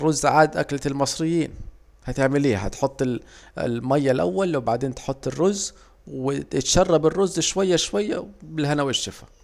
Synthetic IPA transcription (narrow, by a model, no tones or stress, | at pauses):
rˤːʊzːʕaːd̪ʔa̰klalmɑsˤɾɪjːiːn | hæt̪ɪʕmɪliːha̰t̪ħot̪ˤːɪl̰lmæjːalʔa̰wːalwɪbaʕd̪eːnt̪ħot̪ˤːɪrːʊzː | wɪɪt̪ʃɑrˤːɑbɪrːʊzːʃwajːaʃwajːa̰bɪlhanawɪʃːɪfḁ